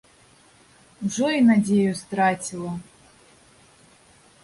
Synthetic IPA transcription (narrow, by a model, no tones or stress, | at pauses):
wʐɔinadʲejust̪ɾatʲilˠɐ